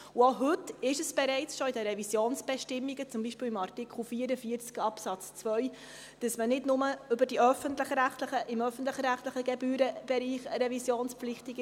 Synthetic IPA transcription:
woɦɵtːɪʃəsb̥ɛɾɛɪt͡sʃɔidəɾɛvisjoːnsb̥ɛʃtɪmːiɡət͡sʊmbiːʃpiːlɪmɑrtikχl̩ˠfiːəɾəfiːəɾt͡skɑpsɑt͡st͡svœʏ | d̥əsmənɪdnʊməʏbəɾd̥iœfənt̪ləχɾæχtləχəʔɪmœfən̩tləχɾæχtləχəɡɛbyːɾəb̥ɛɾiːχɾɛvisjoːnspflɪχtiɡ

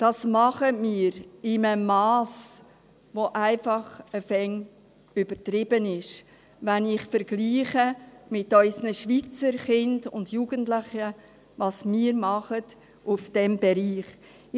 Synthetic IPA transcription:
d̥ɑːsmɑχəmiːəɾɪməmɑːs | voʔæɪfɑχəfɛŋ | yb̥ətɾɪbənɪʃ | vænɪχfəɾɡ̥liːχəmɪtœʏsnəʃviːt͡səɾχɪndʊ̰ndjuːɡ̥əntlɪχə | vɑsmiːɾmɑχət | ufd̥ɛmbɛɾiːχ

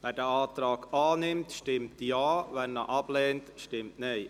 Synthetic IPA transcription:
ʋɛːɾdəɑːt̪ɾɑːɡɑːnɪmtʃtɪmtjɑːʋɛnnəʔɑb̥lɛːntʃtɪmtneː

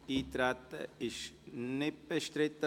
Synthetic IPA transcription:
iːt̪ɾat̪ʃnɪpəʃt̪ɾɪt̪

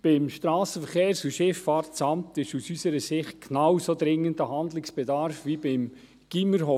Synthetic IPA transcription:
b̥ɪmʃtɾɑːsəfəɾχeːɾsuʃɪfːɑːɾtt͡sɑmtɪʃusysəɾəsɪχt̚knawsod̪ɾɪŋːəndəɦɑnd̪lɪksb̥ɛdɑɾfʋibɪm | ɡ̥iməɾɦo

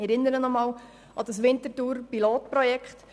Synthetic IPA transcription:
ɛɾɪnəɾənɔmɑːl | ɑd̥ɑsʋɪntətuːɾpiloːtpɾɔjɛkχt

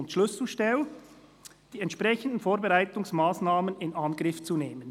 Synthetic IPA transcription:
ʊntʃlʏsl̩ʃtɛl | d̥iːɛntʃpʁɛçən̩dn̩foːɾbɛʁaɪtʊŋsmaːsnaːmənɪnʔɑnɡʁɪft͡suneːmən

